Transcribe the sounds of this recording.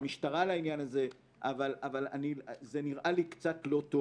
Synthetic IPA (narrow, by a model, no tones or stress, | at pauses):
miʃtaʁalainjanaze̞ | ʔavalavalanizeniʁʔalikt͡satlo̞to